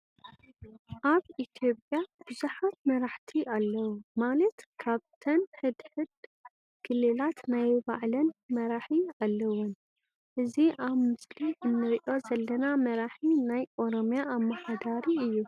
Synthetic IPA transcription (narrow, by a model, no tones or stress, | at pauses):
ʔaβit̪ʰjo̞pʼjab̥ɨzuħat̪mɐɾaħt̪ʰiʔalːɐwumalɐt̪kʰaβt̪ʰɐnħɨd̪ħɨd̪ | ɡ̥ɨlelat̪najba̰ʕlɐnmɐɾaħialːɐwːun | ʔɨziʔaβmɨsliʔɨnːɨɾiʔo̞zɐlːɐnamɐɾaħinajʔo̞ɾomjaːmːɐħad̪aɾiɨjːu